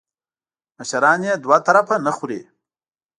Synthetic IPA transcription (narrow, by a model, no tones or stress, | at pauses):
maʃaɾɑːnjed̪wat̪aɾafanəxuɾḛ